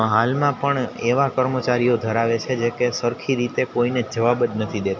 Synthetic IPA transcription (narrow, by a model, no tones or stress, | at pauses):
ɦalmãpəɳeʋakəɾmət͡ʃaɾijod̪ʱəɾaʋet͡ʃʰed͡ʒekesəɾkʰiɾit̪ekoined͡ʒəʋabət̪nət̪ʰid̪et̪a